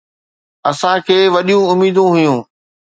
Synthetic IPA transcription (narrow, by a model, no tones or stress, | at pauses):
ɐsãkʰeːʋɐɗijũʊmiːd̪ũɦʊjũː